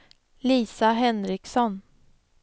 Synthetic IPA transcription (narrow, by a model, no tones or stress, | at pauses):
liːsaɦɛnɾɪksɔn